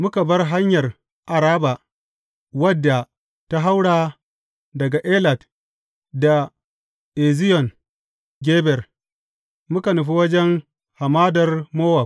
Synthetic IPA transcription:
mʊ˦ka˨bɐ˦rɦa˦ɲjɐ˨r | ʔa˨ɾaː˦ba˨ | wɐ˦dːa˨ | ta˦ɦa˦wɽaː˨ | dɐ˨ɡa˨ʔe˦la˨d | da˨ | ʔe˨zɪ˦jɔ˨n | ɡʲeː˦bɛ˨r | mʊ˦ka˨nʊ˨ɸ̬i˦wɐ˦d͡ʒɛ˦ŋ | ha˨maː˦dɐ˨rmoː˦wa˨

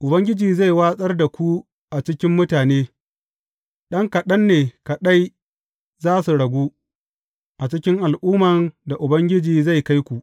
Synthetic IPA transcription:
ʔʊ˨bɐ˦ŋɡʲɪ˦d͡ʒiː˨za˦˨jwaː˦sʼɐ˦rda˨kʷu˦ | ʔa˨t͡ʃɪ˦kʲɪ˦mːʊ˦taː˨neː˦ | ɗɐ˦ŋkɐ˨ɗɐ˦nːeː˨kɐ˨ɗa˦j | zaː˦su˨ɽɐ˨ɡʷuː˦ | ʔa˨t͡ʃɪ˦kʲɪ˦ŋʔa˨lʔuː˦mɐ˨nda˨ʔʊ˨bɐ˦ŋɡʲɪ˦d͡ʒiː˨za˦˨jka˦jkʷu˨ʔ

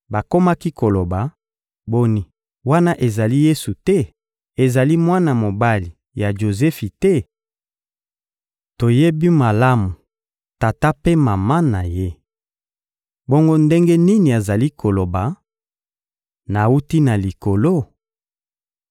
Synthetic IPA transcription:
ba˨ko˦ma˦ki˦ko˨lo˨ba˨ | bo˦ni˦ | wa˦na˦ʔe˨za˨li˦je˦su˨tɛ˦ | e˨za˨li˦mwa˦na˨mo˨ba˦li˨ | ja˨ʒo˨zɛ˦fi˨tɛ˦ | to˨je˦bi˦ma˨la˦mu˨ | ta˨ta˦pe˦ma˨ma˦na˨je˦ | bo˦ŋɡo˦nde˦ŋɡe˦ni˦ni˨a˨za˨li˦kʰo˨lo˨ba˨ | na˨u˦ti˦na˨li˨ko˨lo˦

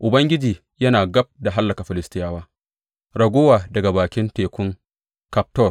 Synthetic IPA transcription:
ʔʊ˨bɐ˦ŋɡʲɪ˦d͡ʒiː˨ | jɐ˦naː˨ɡɐ˦b̚da˨ɦa˦lːɐ˨ka˨ɸɪ˨lɪ˦stɪ˦jaː˦waː˦ | ɾɐ˨ɡʷo˦waː˨dɐ˨ɡa˨baː˨kʲɪ˦nteː˨kʷʊ˦ŋ | ka˦p̚tɔ˦˨r

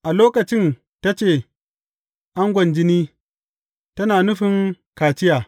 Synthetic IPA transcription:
ʔa˨loː˦kɐ˨t͡ʃɪ˦n | ta˦t͡ʃeː˦˨ | ʔa˦ŋɡʷɐ˨nd͡ʒɪ˦niː˦ | tɐ˦naː˨nʊ˦ɸɪ˦ŋ | kaː˨t͡ʃɪ˦jaː˨

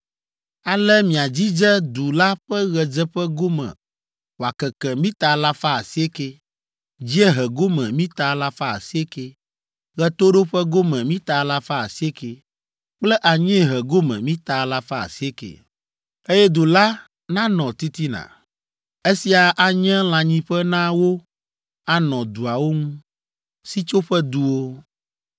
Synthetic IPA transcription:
a˨lɛ˦mĩ˨a˨d͡ʑi˦d͡ʒɛ˦d̪u˨la˦ɸɛ˦ɣɛ˨d͡zɛ˦ɸɛ˦ɡo˦mɛ̰̃˨ | wo˨a˨kɛ˨kɛ˨mĩ˦t̪a˨la˦fa˦a˨si˦e˦ke˦ | d͡ʑi˦e˦ɦɛ˨ɡo˦mɛ̃˨mĩ˦t̪a˨la˦fa˦a̰˨si˦e˦ke˦ | ɣɛ˦t̪o˦ɖo˦ɸɛ˦ɡo˦mɛ̃˨mĩ˦t̪a˨la˦fa˦a˨si˦e˦ke˨ | k͡plɛ˦ʔa˨ɲɛ̃˦˨ɦɛ˨ɡo˦mɛ̃˨mĩ˦t̪a˨˦la˦fa˦a̰˨si˦e˦kḛ˨ | e˦jɛ˦d̪o˨la˦ | nã˦nɔ̃˨t̪i˦t̪i˦nã̰˨ | e˦si˨a˨ʔa˨ɲɛ̃˦l̃ã˨ɲĩ˦ɸɛ˦nã˦wo˦ | a˨nɔ̃˨d̪u˨a˨wo˦ŋũ˦ | si˦t͡ʃo˦ɸɛ˦d̪u˨wo˦

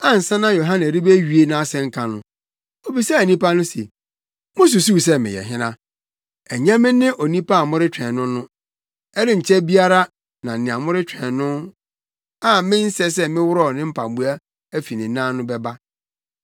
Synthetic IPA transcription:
a˦n̩˨sã˦nã˦jo˨ɦã˦nɛ̃˨ɾi˦be˦ɥi˨e˨nã˦sɛ̃˦ŋ̩˦kʰã˨nʊ̃˦ | o˨bi˨sa˦æ˨nĩ˦pa˦nʊ̃˦sḛ˨ | mʊ̃˦s̬u˨su˦˨s̬ɛ˦mɪ̰̃˨jɛ̰˨ɦɪ̃˦nã˦ | æ˨ɲã˦mɪ̃˦nɪ̃˦ʔo˨nĩ˦pʰa˦a˨mʊ̃˦ɾɪ˦t͡ɕᶣɛ̃˨nʊ̃˦nʊ̃˦ | ɛ˦ɾɪ˦ɲ̩˨t͡ɕʰɛ˦bi˦a˦ɾa˦ | nã˨nɪ̃˨ã˨mʊ̃˦ɾɪ˦t͡ɕʰᶣɛ̃˨nʊ̃˦n | a˦mɪ̃˦n̩˦sɛ˦s̬ɛ˦mɪ̃˦wʊ˦ɾɔ˦˨nɪ̃˦m̩˦pʰa˨bu˦a˦ | æ˦fi˨nɪ̃˨˦nã˦nʊ̃˦bɛ˦ba˦

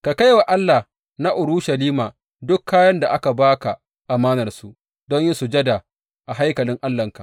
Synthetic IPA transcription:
ka˨ka˦jwa˨ʔa˦lːa˨ | na˦ʔʊ˨ɾuː˦ʃa˨liː˦maː˨ | dʊ˦kʰːaː˦jɐ˦nda˨ʔa˦ka˨baː˦ka˨ | ʔa˨maː˦nɐ˨rsu˨ʔ | dɔ˦ɲji˦su˨d͡ʒɐ˦da˨ | ʔa˨ɦa˦jkɐ˨lɪ˦ŋʔa˦lːɐ˨ŋka˨

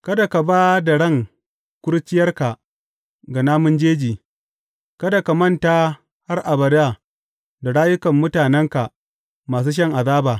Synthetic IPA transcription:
kɐ˦da˨ka˨baː˦da˨ɽɐ˦˨ŋ | kʷʊ˦ɽt͡ʃɪ˦jɐ˦rka˨ | ɡa˨naː˦mʊ˦nd͡ʒeː˦d͡ʒiː˨ | kɐ˦da˨ka˨mɐ˦nta˦ | ha˦rʔa˨bɐ˨da˦˨ | da˨ɽaː˦jʊ˦kɐ˨mːʊ˦taː˨nɛ˦ŋka˨ | maː˨s̬uː˦ʃ̬ɐ˦ŋʔa˨ðaː˦baː˨

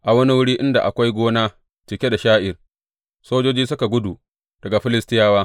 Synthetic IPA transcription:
ʔa˨wɐ˦ni˦wʊ˦ɽiː˦ʔɪ˦nda˨ʔa̰˨kʷa˦jɡʷoː˦naː˦ | t͡ʃɪ˨kʲe˦da˨ʃaː˦ʔɪ˨r | soː˦d͡ʒoː˦d͡ʒiː˦s̬ʊ˦ka˨ɡʷʊ˦du˨ | d̥ɐ˨ɡa˨ɸɪ˦lɪ˦stɪ˦jaː˦waː˦

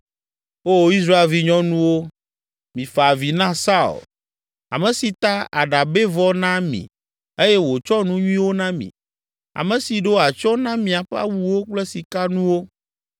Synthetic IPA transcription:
wo˦i˦s̬ɾa˦e˨lvi˦ɲɔ̃˦nũ˦wo˦ | mĩ˨fa˨vi˨nã˦sa˦ṵ˨l | a̰˨mẽ˨si˨t̪a˦a̰˨ɖa˨be˦vɔ˦nã˦mḭ̃˨ | e˦jɛ˦wo˨t͡ʃɔ˦nũ˦ɲũ˦ĩ˦wo˦nã˦mḭ̃˨ | a̰˨mẽ˨si˨ɖo˦a˨t͡ʃɔ˦nã˦mĩ˨a˨ɸa̰˦wu˦wo˦k͡ple˦si˨ka˦nũ˦wo˦

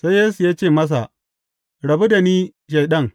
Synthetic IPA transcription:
sa˦jjeː˦su˨jaː˦t͡ʃeː˦˨mɐ˦s̬a˨ʔ | ɽɐ˨bu˦da˨niː˦ | ʃ̬e˨jɗɐ˦ŋ

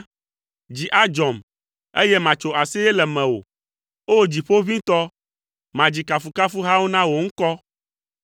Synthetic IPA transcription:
d͡ʑi˨ʔa˦d͡ʒɔ˨m | e˦jɛ˦mã˨t͡ʃo˨a˨si˦ɛ˦lɛ˨mɛ̃˨wo̰˨ | o˦˨d͡ʑi˨ɸo˦vĩ˦t̪ɔ˦ | mã˨d͡ʑi˨ka˨fu˨ka˦fu˦ɦa˦wo˦nã˦wo˨ŋ̩˦kɔ˦

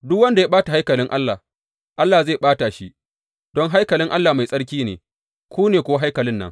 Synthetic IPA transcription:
dʊ˦kwɐ˦nda˨ja˦ɓaː˦ta˨ɦa˦jkɐ˨lɪ˦ŋʔa˦lːaː˨ | ʔa˦lːaː˨zeː˦˨ɓaː˦ta˨ʃi˦ | dɔ˦ŋɦa˦jkɐ˨lɪ˦ŋʔa˦lːaː˨ma˨jsʼɐ˦ɽkʲiː˦nḛː˨ | kʰʷoː˦neː˨kʷo˨wa˦ɦa˦jkɐ˨lɪ˦nːɐ̰˦ŋ

